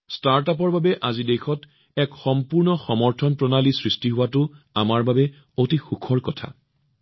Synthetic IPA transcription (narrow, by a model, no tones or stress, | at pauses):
staɹtap̬ɔɹbabɛʔazidexɔt | ɛkxɔmpuɹnɔxɔmɔɹtʰɔnpɹɔnalisɹistiɦʊwatʊ | amaɹbabɛ | otixukʰɔɹkɔtʰa̰